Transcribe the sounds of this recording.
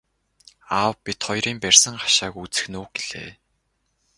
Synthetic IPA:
aːwpit̪χɔjɾiːmpærʲsə̆ŋχḁʃaːkut͡sɘ̥̆xnuːɡeɮḛː

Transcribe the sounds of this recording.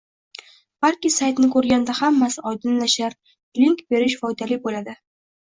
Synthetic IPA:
b̥alkʲɪsajt̪nɪkʰɵɾɡʲand̪ahamːasɪɒjd̪ɪnlaʃaɾ | liŋkbe̞ɾɪʃfɒjd̪alɪbolad̪ɪ

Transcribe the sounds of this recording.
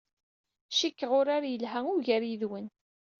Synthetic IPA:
ʃikːəʁʊɾaɾajəlɦæʊɾʝæɾiðwən

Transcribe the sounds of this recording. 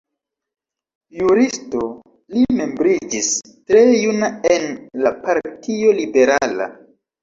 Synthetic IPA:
juɾisto̞ | lime̞mbɾid͡ʒis | tɾe̞junae̞nlapaɾtʰio̞libe̞ɾala̰

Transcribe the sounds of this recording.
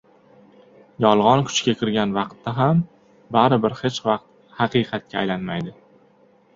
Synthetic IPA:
jɒlˠʁɒnkʰʊ̥t͡ʃkʲakʲʰɪɾɡʲanvɑqt̪ːaɦam | baɾɪbɪɾhet͡ʃvɑq̚t̪̚ | hɑqɨjqʰɑt̪̚kʲʰa̰ːjlanmajd̪ɪ

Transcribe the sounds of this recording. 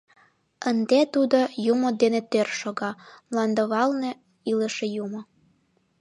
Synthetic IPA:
ənd̪et̪ud̪ojumod̪enet̪ørʃoɣɑmlɑnd̪əβɑlne | iləʃejumŏ

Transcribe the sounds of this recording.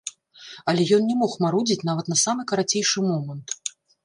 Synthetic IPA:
ɐlʲɛjɔnnʲɛmɔxmaɾud͡zʲit͡sʲnavɐt̪nɐsamɨkɐɾat͡sʲejʂɨmɔmɐnt̪

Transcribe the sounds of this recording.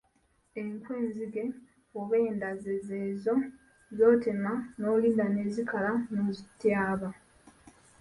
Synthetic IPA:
eŋkwe̞ːnziɡe̞ | oβeːndazezeːzo̞ | zo̞ːtemano̞ːliːndane̞ːzikalanozitːjaːβa

